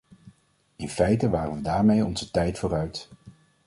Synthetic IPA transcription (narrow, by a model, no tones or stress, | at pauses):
ɪnfɛjtəʋaːrənʋədaːɹmejɔ̰nzətɛjtfʊːɾœɥt